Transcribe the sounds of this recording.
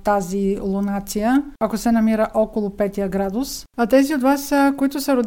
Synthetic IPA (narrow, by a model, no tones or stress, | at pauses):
t̪azilˠonat̪sijəɐkosɛnɐmiɾəʔɔkolˠʊpɛt̪ijəɡɾad̪ʊsat̪ɛziot̪vasəkoit̪ʊsɐɾʊd̪